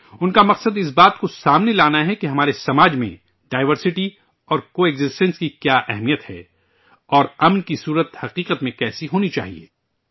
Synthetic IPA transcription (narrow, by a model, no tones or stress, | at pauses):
ʊnkamɐqsəd̪ɪs̬baːt̪kosaːmnelaːnaɦɛkeɦɐmaːɾesɐmaːd͡ʒmḛ̃ | ɖaːɪʋəɾsɪʈi | ɔːɾkoeːɡzɪsʈə̃nskikjaːʔɛ̰ɦmijət̪hɛ̰ː | ɔːɾɐmnkisuːɾət̪hɐqiːqət̪mẽkɛːsiɦoːnit͡ʃa̰ːɦḭḛː